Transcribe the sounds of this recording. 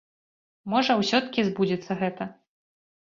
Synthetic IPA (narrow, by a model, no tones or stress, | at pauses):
mɔʐɐwsʲɔt̪kʲizbud͡zʲit̪sːɐɣɛt̪ɐ